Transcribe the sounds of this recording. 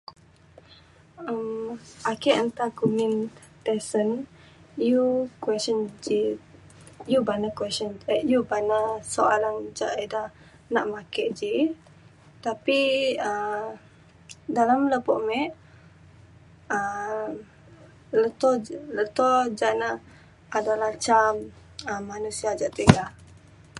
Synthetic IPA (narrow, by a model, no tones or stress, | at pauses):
əmʔakɛʔant̪akumin | t̪ɛsən | jukwɛsənd͡ʒi | jubanakwɛsənjubanasoʔaland͡ʒaʔeda | naʔmakɛʔd͡ʒi | t̪apiə | dalamləpɔ̰ʔmɛʔ | ə | lət̪ɔlət̪ɔd͡ʒaʔna | adalaht͡ʃam | əmːanusiad͡ʒaʔt̪iɡa